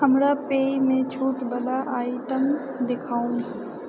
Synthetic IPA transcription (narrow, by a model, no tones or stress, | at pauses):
ɐmɽapeːimẽt͡ɕʰuːʈbɐlaʔaːɪiʈəm | d̪ekʰaːũnɪ